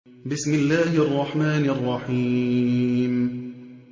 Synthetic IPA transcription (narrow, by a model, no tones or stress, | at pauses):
bɪsmɪlːaːhɪʔɑrˤːɑħmaːnʔɑrˤːɑħiː | m